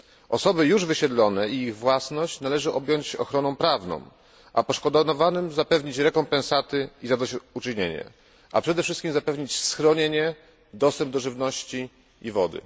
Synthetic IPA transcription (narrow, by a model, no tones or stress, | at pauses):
ɔsɔbɘjuʐvɘɕɛd̪lɔnɛiiɣvwasnɔɕt͡ɕnalɛʐɘʔɔbʲjɔɲt͡ɕɔxɾɔnɔw̃pɾavnɔ̰̃w̃ | ʔa̰pɔʂkɔd̪ɔnɔvanɘmzapɛvɲit͡ɕɾɛkɔmpɛ̃nsat̪ɘizad̪at͡ɕut͡ʂɘɲeɲɛ̰ | a̰pʂɛd̪ɛfʂɘst̪̚kʲimzapɛvɲit͡ɕsxɾɔɲeɲɛ | d̪ɔst̪ɛmb̚d̪ɔʐɘvnɔɕt͡ɕi | ivɔd̪ɘ̰